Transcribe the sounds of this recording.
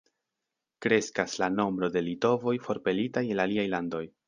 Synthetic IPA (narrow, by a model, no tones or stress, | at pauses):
kɾe̞skaslano̞mbɾo̞de̞lito̞vo̞jfo̞ɾpe̞litaje̞naliajlando̞j